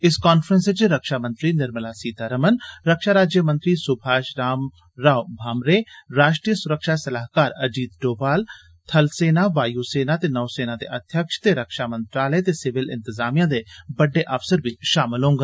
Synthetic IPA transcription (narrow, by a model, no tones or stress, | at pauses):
ɪskaːnfʰɾə̃nset͡ʃɾəkʃaːmə̃nt̪ɾinɪɾmlaːsiːt̪aɾəmənɾəkʃaːɾaːd͡ʒjəmə̃nt̪ɾisʊbʱaːʃɾaːm | ɾaːwbʱaːmɾeːɾaːʃʈɾiːəsʊɾəkʃasɐlaːɦkaːɾɐd͡ʒiːd̪ɖoːbaːl | t̪ʰɐlseːnaʋaːjuseːnat̪eːnɐːseːnaːd̪ḛʔɐd̪ʱjəkʃt̪eɾəkʃaːmə̃nt̪ɾaːləet̪esɪʋɪlɪ̰̃nt̪ɪzaːmijãd̪ebɐɖːeʔəfsəɾbiʃaːmɪlɦõːŋɡa